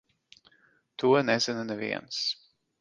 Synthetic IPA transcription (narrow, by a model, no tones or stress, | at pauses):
t̪uɔnɛz̥ʲɛnɨnɛvḭɛns